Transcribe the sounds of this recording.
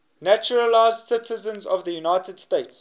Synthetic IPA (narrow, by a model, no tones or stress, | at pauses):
næt͡ʃʊɹəlaɪzdsɪtʰəzə̃nzɔvðəjunaɪtəd̥steɪts